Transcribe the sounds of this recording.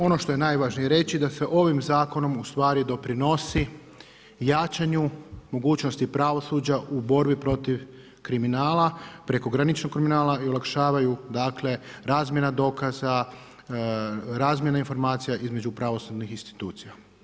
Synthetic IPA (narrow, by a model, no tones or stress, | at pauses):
o̞no̞ʃt̪o̞je̞najʋaːʒnijeɾe̞t͡ɕid̪ase̞ʔo̞ʋimzaːko̞no̞must̪ʋaːɾid̪o̞pɾino̞si | jaːt͡ʃaɲumo̞ɡuːt͡ʃnost̪ipɾaʋo̞suːd͡ʒaʔubo̞ɾbipɾo̞t̪iʋ | kɾiminaːlapɾe̞ko̞ɡɾanit͡ʃnokkːɾiminaːlaiolˠakʃaːʋajud̪aːkle̞ɾaːzmje̞nad̪o̞ːkaza | ɾaːzmje̞nainfo̞ɾmaːt̪sijaʔizme̞d͡ʒupɾaʋo̞sud̪nixinst̪i̥t̪uːt̪sija